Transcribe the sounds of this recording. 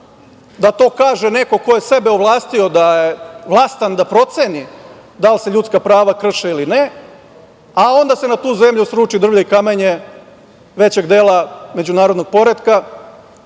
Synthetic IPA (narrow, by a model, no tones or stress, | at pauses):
d̪at̪o̞ːkaːʒeneko̞ko̞jese̞beoʋlˠaːst̪io̞d̪ajeʋlˠaːst̪and̪apɾo̞t̪seni | d̪alse̞ʎut̪skapɾaːʋakr̩ʃeiline | ao̞nd̪ase̞nat̪uːze̞mʎusɾuːt͡ʃid̪r̩ʋʎoikameɲe | ʋe̞t͡ɕe̞ɡd̪eːlˠame̞d͡ʑunaːɾod̪no̞ɡ̚po̞ɾed̪ka